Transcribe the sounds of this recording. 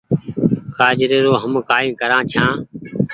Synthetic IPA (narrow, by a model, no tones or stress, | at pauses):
kaːd͡ʒɾeːɾoːɦəmkaːĩːkəɾãːt͡ʃʰãː